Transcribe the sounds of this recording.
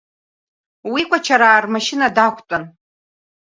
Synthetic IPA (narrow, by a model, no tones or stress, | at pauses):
wikʷat͡ʃʰaɾaːrmaʃɪnadakʷʰʼt͡sʼan